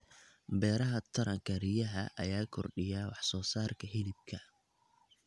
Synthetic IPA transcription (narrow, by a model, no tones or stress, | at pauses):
bɛːɾɐɦɐt̪ʰɐɾɐŋkʰɐrijɐɦɐʔɐ̰jaːkʰɔrɖɪjaːwɑħsɔːsaːrkʰɐɦɪlɪb̚kʰɐ